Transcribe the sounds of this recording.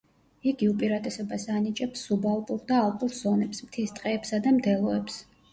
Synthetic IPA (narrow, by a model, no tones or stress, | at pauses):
iɡiupʼiɾat̪ʼɛsɔbasanit͡ʃʼɛpsːubalˠpʼuɾd̪aːlˠpʼuɾz̥ɔnɛpsmt̪ʰist̪ʼqʼɛːpsad̪amd̪ɛlˠɔɛps